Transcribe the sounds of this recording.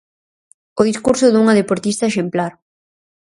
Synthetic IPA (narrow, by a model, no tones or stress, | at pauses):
oðiskuɾsʊðuŋɐðepoɾt̪ist̪aeʃemplaɾ